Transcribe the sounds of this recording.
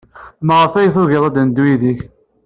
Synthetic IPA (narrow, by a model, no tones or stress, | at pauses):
məʁəfæjθʊɣiðˤæd̪nd̪wiðiç